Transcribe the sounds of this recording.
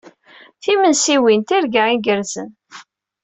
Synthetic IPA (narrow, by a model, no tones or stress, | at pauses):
θimənsiwint̪iɾɡaiɡəɾzə̰n